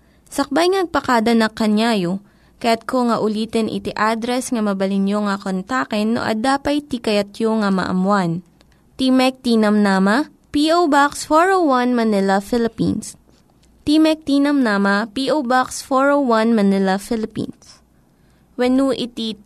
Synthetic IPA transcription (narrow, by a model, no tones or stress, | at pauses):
sɐk̚bajŋnɐɡ̚pɐkaːd̪ɐnɐkɐnjaːjo | kɐjat̪̚kʰoŋɐʔʊliːt̪ɛnʔɪ̰t̪iʔad̪ɾɛsŋɐmɐbɐlɪnjoŋɐkont̪akɛnːo̰ʔɐ̰d̪aːpɐjt̪ikɐjɐt̪joŋɐmɐ̰ʔɐ̰mwan | t̪imɛk̚t̪iːnɐmnaːmɐ | piʔowbaksfoɹowwɐnmɐnɪlɐfɪlɪpḭns | t̪imɛk̚t̪iːnɐmnaːmɐpiːʔowbaksfoɹowwanmɐnɪlɐfɪlɪpḭns | wɛnuʔɪt̪i